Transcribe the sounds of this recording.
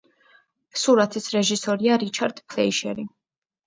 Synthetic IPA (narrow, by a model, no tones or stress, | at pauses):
suɾat̪ʰisɾɛʒisɔɾiaɾit͡ʃʰaɾd̪̥pʰlɛiʃɛ̰ɾi